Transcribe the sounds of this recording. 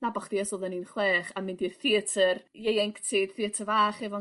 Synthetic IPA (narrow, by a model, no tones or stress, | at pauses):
nabaχd̥iɛsɔðˠɛninχwɛːχamɪndirθiətʰərjejɛŋktʰid̥θiətʰəvaːχɛvɔ